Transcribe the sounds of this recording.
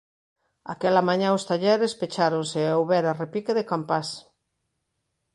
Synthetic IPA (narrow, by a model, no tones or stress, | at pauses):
a̰kɛlamãɲãʊst̪aʎɛɾespet͡ʃaɾonseowβɛɾarepikeðekampas